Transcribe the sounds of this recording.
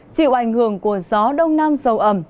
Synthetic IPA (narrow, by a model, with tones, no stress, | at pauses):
t͡ɕḭ˧˨wʔa˧˩jŋ̟hɨ˧˩əŋku˧˩əzɔ˨˦ɗə˧wŋ͡mnaː˧mzə˨˩wʔə˧˩m